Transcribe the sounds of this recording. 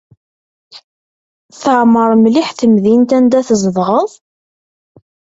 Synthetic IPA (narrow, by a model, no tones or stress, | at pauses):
θəʕməɾˤmliħθəmðint̪ænd̪æθəzðʁəðˤ